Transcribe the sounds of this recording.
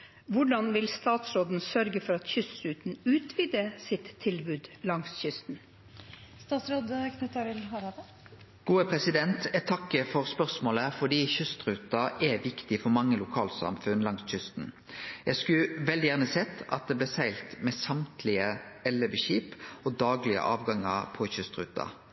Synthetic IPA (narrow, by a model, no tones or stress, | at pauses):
ʋʊɖɑnʋɪlst̪ɑːt̪sɾoːd̪n̩sœɾɡəfɔɾɑt̪çʏst̪ɾʉːt̪n̩ʉːt̪ʋiːd̪əsɪt̪ʰːɪlbʉːd̪lɑŋsçʏst̪n̩ | st̪ɑːt̪sɾoːd̪kʰnɛt̪ʰɑɾɪlhɑɾɑd̪ | ɡ̥uːəpʰɾɛsɪd̪ɛnt̪ʰɛt̪ʰɑkːəfɔʁspœʁsmoːləfɔɖ̪iːçʏst̪ɾʉːt̪ɑʔɛʋɪkt̪ɪfɔmɑŋːəlʊkʰɑːlsɑ̰mfʉnlɑŋsçʏst̪n̩ | jæskʉʋɛld̪ɪjæːʁnəsɛt̪ːɑ̰t̪̚d̪ɛblɛːsæɪlt̪mɛsɑmt̪ʰlɪəɛlːəbəɕiːpɔd̪ɑːɡlɪə̰ʔɑːʋɡɑŋəʁpʰɔçʏst̪ʁʉ̰ːt̪ɑ̰